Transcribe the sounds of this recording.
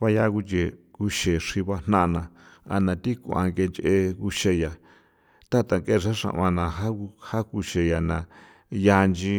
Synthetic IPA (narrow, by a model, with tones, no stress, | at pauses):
βa˦ja˧ku˧t͡ʃe˨ku˧ʃe˨ʂi˧βa˧n̥nã˦˧nã˨ | a̰˧nã˨t̪i˦ku˧˨ã̰˧ŋɡe˧nt͡ʃe˧ʔe˧ku˧ʃe˧ja˨ | t̪a˦t̪a˨ŋke˦˨˧ʐa˦ʂã̰˧˨βã˧nã˨ɦa˦u˧ha˦ku˧ʃe˧ja˨nã˨ | ja˧nd͡ʒi˧